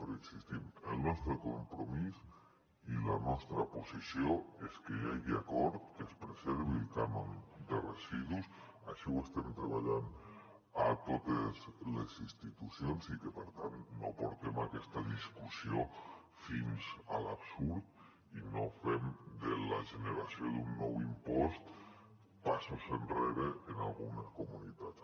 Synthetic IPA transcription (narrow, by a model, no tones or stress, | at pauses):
peɾeksist̪imelˠnɔst̪ɾekompɾomis | ilanɔst̪ɾaposisjoeskeaɣiakɔɾt̪kespɾezɛɾβilkanond̪ereziðus | aʃiwest̪emt̪ɾeβ̞aʎan | at̪ot̪ezlḛzist̪it̪usjonsikepeɾt̪ant̪no̰poɾt̪emakɛst̪aðiskusio | finsalapsuɾt̪ | inofemd̪elaʒeneɾasjod̪unːɔwimpɔst̪ | pasosenreɾeːnalˠɣuneskomunit̪at̪t͡s